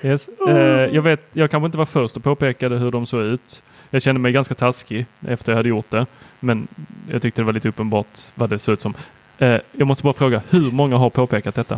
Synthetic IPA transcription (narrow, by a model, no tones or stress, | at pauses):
jɛsjɑːɡveːt̪̚jɑːɡkʰanɧəɪnt̪əvaɾfœɾʂt̪ɔpʰoːpeːkad̪əɦɵɖɔmsoːʉ̟ːt̪ | jɑːɡɕɛnd̪əmɛjɡanskat̪ʰaskɪʔɛ̰ft̪əɾjɑhad̪ːəjʊʈd̪ɛmɛnjɑ̰ɡt̪ʏkt̪əd̪ɛvaɾliːt̪əɵpːənbɑːʈvaɖɛsoːʉ̟ːt̪sɔm | ɛjɑɡmɔst̪əbɑːɾafɾoːɡahɵɾmɔŋːaɦaɾpʰoːpeːkat̪̚d̪ɛt̪ːa